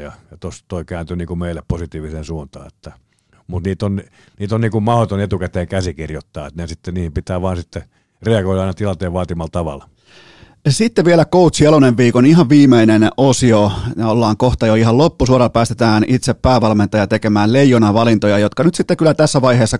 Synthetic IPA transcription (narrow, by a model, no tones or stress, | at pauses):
jɑjɑt̪ost̪oikæːnt̪yniːŋkumeilːˑepposit̪iːʋisensuːnt̪ɑ̰ːet̪ːæ | mut̪niːt̪on | niːt̪onniːŋkummɑhot̪onet̪ukæt̪eːŋkæsikirjot̪ːɑːet̪nesit̪ːeniːhimpit̪æːʋɑːnsit̪ːe | reɑɡoiɾɑɑˑinɑt̪ilɑnt̪eːʋʋɑːt̪imɑlt̪ɑʋɑ̰l | sit̪ːeʋielækout̪sjɑloneʋʋiːkoniɦɑʋʋiːmeinenosionolːɑːŋkoht̪ɑjoiɦɑllopːusuoɾɑpæːst̪et̪æːnʔit̪seppæːʋɑlment̪ɑjɑt̪ekemæːllejːonɑʋɑlint̪ojɑjot̪kɑnyt̪sit̪ːekylːˑæt̪æsːæʋɑiheːsːɑ